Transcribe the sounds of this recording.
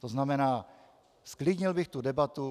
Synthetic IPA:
t̪oznamɛnaː | sklidɲɪlbɪxt̪udɛbat̪u

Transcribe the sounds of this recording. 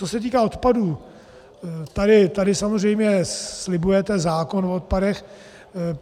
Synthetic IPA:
osɛt̪iːkao̞t̪paduː | t̪adɪt̪adɪsamozr̝ɛjmɲɛslɪbujɛt̪ɛzaːko̞nfot̪̚padɛx

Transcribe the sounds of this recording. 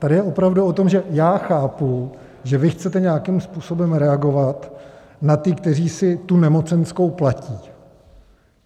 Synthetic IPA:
t̪adɪjɛʔo̞pɾavduo̞t̪o̞mʒɛjaːxaːpu | ʒɛvɪxt͡sɛt̪ɛɲɛjakɪmspuːso̞bɛmɾɛaɡo̞vat̪ | nat̪ɪkt̪ɛriːsɪt̪unɛmo̞t͡sɛnskowplaciː

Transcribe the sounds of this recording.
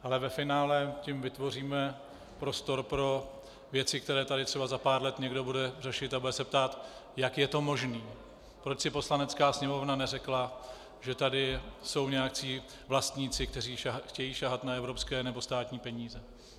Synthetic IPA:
ʔalɛvɛfɪnaːlɛcɪmvɪt̪vo̞riːmɛ | pɾo̞st̪o̞ɾpɾo̞ | vjɛt͡sɪkt̪ɛɾɛːt̪adɪt̪r̥ɛbazapaːɾlɛt̪ɲɛɡdo̞budɛrɛʃɪt̪abudɛsɛpt̪aːt̪jakjɛt̪o̞mo̞ʒniː | pɾo̞t͡ʃsɪpo̞slanɛt͡skaːsɲɛmo̞vnanɛrɛkla | ʒɛt̪adɪso̞wɲɛjakt͡siː | vlast̪ɲiːt͡sɪk̚t̪ɛr̝iːʃxcɛjiːʃaɦat̪naɛvɾo̞pskɛːnɛbo̞st̪aːt̪ɲiːpɛɲiːzɛ

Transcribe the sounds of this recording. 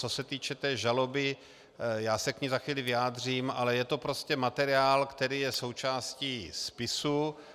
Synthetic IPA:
t͡sosɛt̪iːt͡ʃɛt̪ɛːʒalobɪ | jaːsɛkɲizaxʋiːlɪvɪjaːd̪r̝iːmʔalɛjɛt̪o̞pɾoscɛmat̪ɛɾɪaːlkt̪ɛɾiːjɛso̞wt͡ʃaːsciːspɪsu

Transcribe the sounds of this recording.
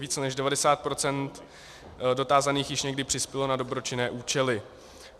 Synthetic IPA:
viːt͡sɛnɛʒdɛvadɛsaːt̪̚pɾo̞t͡sɛnt̪ | do̞t̪aːzaniːxjɪʃɲɛɡdɪpr̥ɪspjɛlo̞nado̞bɾo̞t͡ʃɪnɛːʔuːt͡ʃɛlɪ

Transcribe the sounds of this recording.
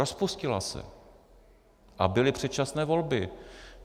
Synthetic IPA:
ospuscɪla̰sɛ̰ | ʔabɪlɪpr̝̥ɛt̪t͡ʃasnɛːvo̞lbɪ

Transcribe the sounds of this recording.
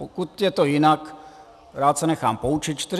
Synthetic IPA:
okut̪jɛt̪ojɪnak | ɾaːt̪sɛnɛxaːmpout͡ʃɪt̪̚t͡ʃt̪ɪ

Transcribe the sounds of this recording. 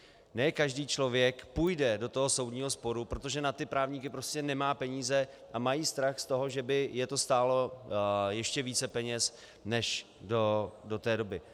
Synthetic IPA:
nɛːkaʒdiːt͡ʃlo̞vjɛkpujdɛdo̞t̪oɦo̞so̞wdɲiːɦo̞spo̞ɾupɾo̞t̪o̞ʒɛnat̪ɪpɾaːvɲikɪpɾo̞scɛnɛmaːpɛɲiːzɛ | ʔamajiːst̪ɾaxst̪o̞ɦo̞ʒɛbɪjɛt̪o̞st̪aːlo̞jɛʃcɛviːt͡sɛpɛɲɛs | nɛʃ | dodo̞t̪ɛːdo̞bɪ

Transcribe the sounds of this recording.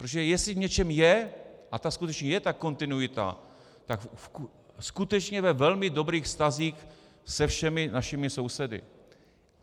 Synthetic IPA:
pɾooʒɛjɛslɪvɲɛt͡ʃɛmjɛʔat̪askut̪ɛt͡ʃɲɛjɛt̪ako̞nt̪ɪnujɪt̪a̰ | t̪ak | skut̪ɛt͡ʃɲɛvɛvɛlmɪdo̞bɾiːxfst̪aziːx | sɛfʃɛmɪnaʃɪmɪso̞wsɛdɪ̰

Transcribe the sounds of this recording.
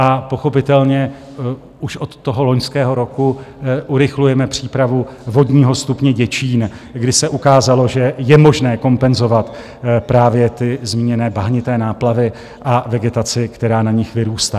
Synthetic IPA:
ʔapo̞xo̞pɪt̪ɛlɲɛ | uʃʔo̞t̪ːo̞ɦo̞lo̞ɲskɛːɦo̞ɾo̞kuʔuɾɪxlujɛmɛpr̝̥iːpɾavuvo̞dɲiːɦo̞st̪upɲɛɟɛt͡ʃiːnɡdɪsɛʔukaːzalo̞ʒɛjɛmo̞ʒnɛːko̞mpɛnzo̞vat̪ | pɾaːvjɛt̪ɪzmiːɲɛnɛːbaɦɲɪt̪ɛːnaːplavɪ | ʔavɛɡɛt̪at͡sɪkt̪ɛɾaːnaɲɪxvɪɾuːst̪a

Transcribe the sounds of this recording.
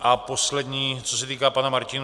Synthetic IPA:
ʔapo̞slɛdɲiːt͡sosɛt̪iːkaːpanamaɾcɪn

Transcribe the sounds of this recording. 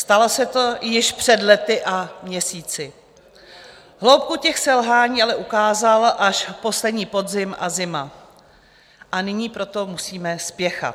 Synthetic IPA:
st̪alosɛt̪o̞jɪʃpr̝̥ɛdlɛt̪ɪʔamɲɛsiːt͡sɪ | ɦlowp̚kucɛxsɛlɦaːɲiːʔalɛʔukaːzalʔaʃpo̞slɛdɲiːpo̞dzɪmʔa̰zɪma | ʔanɪɲiːpɾo̞t̪o̞musiːmɛspjɛxa̰t̪

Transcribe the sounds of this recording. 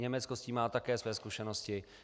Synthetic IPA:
ɲɛmɛt͡skosciːmaːt̪akɛːsvɛːskuʃɛnoscɪ

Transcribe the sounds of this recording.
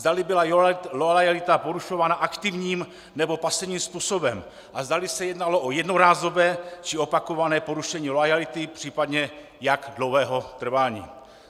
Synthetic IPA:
zd̪alɪbɪlaloajalɪt̪apo̞ɾuʃovaːnaʔakt̪ɪvɲiːm | nɛbo̞pasɛvɲiːmspuːso̞bɛm | ʔazdalɪsɛjɛdnalo̞ʔojɛdnoɾaːzo̞bɛːt͡ʃɪo̞pako̞vanɛːpo̞ɾuʃɛɲiːlojalɪt̪ɪpr̥iːpadɲɛ | jaɡdlowɦɛːɦo̞t̪r̩vaːɲḭː

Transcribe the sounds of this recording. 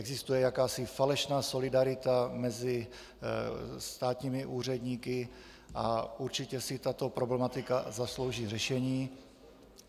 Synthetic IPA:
ɛɡzɪst̪ujɛjakaːsɪfalɛʃnaːso̞lɪdaɾɪt̪amɛzɪ | st̪aːt̪ɲiːmɪʔuːr̝ɛdɲiːkɪ | ʔa̰ʔuɾt͡ʃɪcɛsɪt̪at̪o̞pɾo̞blɛmat̪ɪkazaslo̞wʒiːrɛʃɛɲiː

